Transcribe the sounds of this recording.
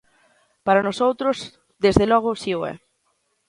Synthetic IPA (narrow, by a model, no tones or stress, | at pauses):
paɾanosowt̪ɾʊs | d̪ezðelɔɣʊsioɛ̰